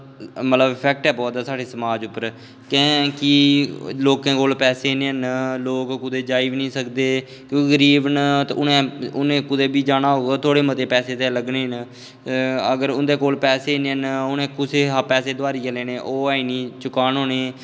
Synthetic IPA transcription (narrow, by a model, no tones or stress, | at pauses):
mət̪ləbpʰɛk̚ʈɛːbɔːt̪ːsaːɽeːsəmaːd͡ʒʊpːəɾ | kɛ̃ːkɪloːkẽːkoːlpɛːseːneːɦnloːkkʊd̪eːd͡ʒaːiʋnĩːsəkd̪eː | kjõːkɡəɾiːʋnt̪ʊnẽːʊnẽːkʊd̪eːbiːd͡ʒaːnaːɦoːɡaːt̪ʰoːɽeːmət̪eːpɛːseːt̪eːləɡneːɦn | əɡəɾʊnd̪eːkoːlpɛːseːneːənʊnẽːkʊseːɦapɛːseːd̪oaːɾiːəleːneːʔoːaːiːniːt͡ʃʊkaːnɦoːneː